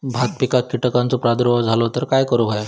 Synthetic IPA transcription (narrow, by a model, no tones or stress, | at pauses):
bʱat̪̚pikakiʈəkãnt͡sopɾad̪ɾoəd͡zʱalot̪əɾkajkəɾoɦoja